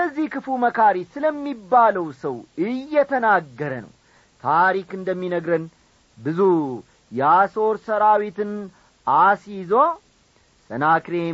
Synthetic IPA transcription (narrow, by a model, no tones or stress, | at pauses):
kəzːihkʰɨfuməkʰaɾisɨləmːibːaləwsəwɨjːɛt̪ʰənaɡːəɾənə̰w | t̪ʰaɾikɨnd̪əmːinəɡɾən | bɨzu | jɛaso̞ɾsəɾawit̪ɨn | asizo̞ | sʼənakɾe